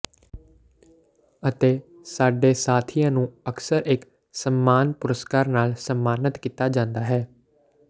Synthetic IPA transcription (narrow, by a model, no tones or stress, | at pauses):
ət̪eː | saːɖeːsaːt̪ʰijãːnũːəksəɾʔɪk | səmːaːnpʊɾəskaːɾnaːlsəmːaːnət̪kiːt̪aːd͡ʒãːnd̪aːɦɛː